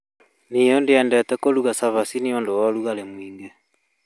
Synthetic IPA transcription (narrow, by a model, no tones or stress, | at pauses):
nijɔndeɛːndɛtɛkoluɣasaβasiniondowɔluɣalemwiːŋɡe